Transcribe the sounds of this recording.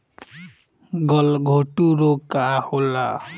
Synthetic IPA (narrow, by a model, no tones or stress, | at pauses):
ɡʌlɡʱoʈuɾokahola̰